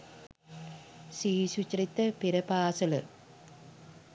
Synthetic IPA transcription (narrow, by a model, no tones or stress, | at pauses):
siːɕut͡ɕrit̪ːɐpiɾɐpaːsɐlɨ